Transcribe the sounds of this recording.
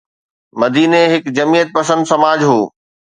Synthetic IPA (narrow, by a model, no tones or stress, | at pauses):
mɐd̪iːneɦɪkd͡ʑɐmijət̪̚pɐsə̃nd̪sɐmaːd͡ʑɦoː